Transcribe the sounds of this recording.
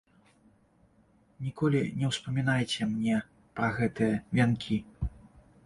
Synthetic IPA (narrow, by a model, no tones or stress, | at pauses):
nʲikɔlʲinʲɛwspɐmʲinajt͡sʲɛmnʲɛ | pɾɐɣɛt̪ɨjɐvʲankʲʰi